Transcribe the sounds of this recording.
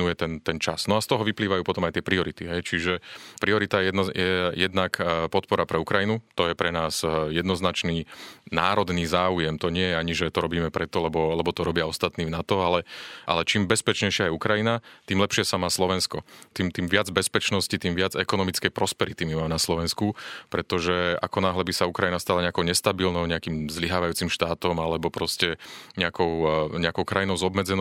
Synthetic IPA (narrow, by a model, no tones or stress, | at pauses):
nujɛt̪ɛnt̪ɛnt͡ʃa̰snɔast̪ɔɦɔʋipliːʋajuːpɔt̪ɔmajt̪ɪɛpɾiɔɾit̪iɦɛjt͡ʃiʒɛpɾiɔɾit̪aɛjɛjɛjɛd̪nakpɔt̪̚pɔɾapɾɛukɾajinut̪ɔjɛpɾɛnaːsjɛd̪nɔznat͡ʃniːna̰ːɾɔd̪niːzaːujɛmt̪ɔɲɪɛjɛaɲiʒɛt̪ɔɾɔbiːmɛpɾɛt̪ɔlɛbɔlɛbɔt̪ɔɾɔbɪaɔst̪at̪niːvnat̪ɔalɛʔa̰lɛt͡ʃiːmbɛspɛt͡ʃɲɛjʃɪajɛukɾajinat̪iːmlɛpʃɪɛsamaːslɔʋɛnskɔt̪iːmt̪iːmʋɪad͡zbɛspɛt͡ʃnɔscit̪iːmʋɪad͡zɛkɔnɔmit͡skɛjpɾɔspɛɾit̪imimaːmɛnaslɔʋɛnskupɾɛt̪ɔʒɛa̰kɔnaːɦlɛbisaukɾajinast̪alaɲɛakɔʊɲɛst̪abilnɔʊɲɛakiːmzliɦaːʋajuːt͡simʃt̪aːt̪ɔmalɛbɔpɾɔscɛɲɛakɔʊɲɛakɔʊkɾajinɔʊzɔbmɛd͡zɛn